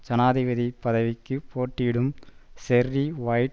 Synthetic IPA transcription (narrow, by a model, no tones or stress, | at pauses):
d͡ʒɐnaːðɪʋɐðipːɐðɐʋɪkːɯpːoːʈːiɪɽɯmsɛrːiʋɐːj